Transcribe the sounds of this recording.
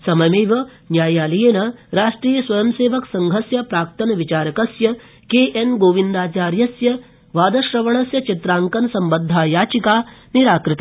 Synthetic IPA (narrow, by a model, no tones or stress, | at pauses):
sɐmɐmeːʋɐ | njaːjaːlijeːnɐɾaːʂʈɾiːjɐsʋɐjɐmseːʋɐksɐŋɡʱɐsjɐpɾaːk̚t̪ɐnɐʋit͡ʃaːɾɐkɐsjɐ | keːʔenɡoːʋind̪aːt͡ʃaːɾjɐsjɐ | ʋaːd̪ɐʃɾɐʋɐɳɐsjɐt͡ʃit̪ɾaːŋkɐnsɐmbɐnd̪ʱːaːjaːt͡ʃikaːniɾaːkɾɪt̪